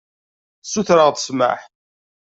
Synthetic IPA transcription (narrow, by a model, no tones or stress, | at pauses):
suθɾəʁt̪ə̥sma̰ħ